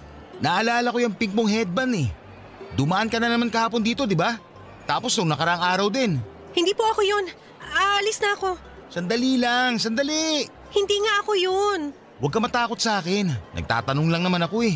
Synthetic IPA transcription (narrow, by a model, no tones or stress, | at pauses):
nɐʔɐlaːlɐko̞jɐŋpiŋpoŋɦɛd̪̚bɐnɛ | d̪ʊmɐʔankɐnɐnɐmankɐhaːpo̞nd̪iːt̪o̞d̪ɪba | t̪aːpo̞snʊŋnɐkɐɾɐʔaŋʔaːɾɐwd̪ɛn | hɪnd̪iːpoɐkojon | ʔaɐlisnɐɐko̞ | sɐnd̪ɐlilaŋsɐnd̪ɐliʔ | hɪnd̪iːŋaʔɐkojon | wɐɡkɐmɐt̪aːko̞t̪̚sɐʔaːkɛnːʔɐ̰ɡ̚t̪a̰ːt̪ɐnoŋlɐŋnɐmanɐko̞ɛ